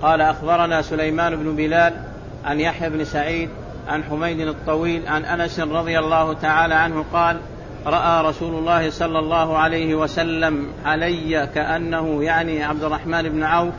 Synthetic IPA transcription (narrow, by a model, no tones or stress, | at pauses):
qɑːlaʔaxbɑɾˤɑnaːsʊlajmaːnɪbnʊbɪlaːl | ʕanjaħjabnsaʕiːd̪ | ʕanħʊmajd̪ɪnɨt̪ˤːɑwiːlʕanʔanasɾˤɑd̪ˤɨjalˤːɑːhʊt̪aʕaːlaʕanhʊqɑːl | ɾˤɑʔaːɾˤɑsuːlʊlˤːɑːhɪsˤɑlːɑlˤːɑːhʊʕalajhɪwasalːamʕalajːakaʔanːahʊjaʕniʕab̚d̪ɪrˤːɑħmaːnɪbnʕawf